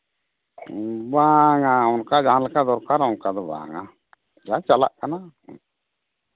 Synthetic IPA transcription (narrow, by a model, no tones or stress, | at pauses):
baːŋaʊnkad͡ʒaːnlkad̪ɔɾkaɾʊnkad̪ɔba̰ːŋa | d͡ʒat͡ʃala̰ʔkana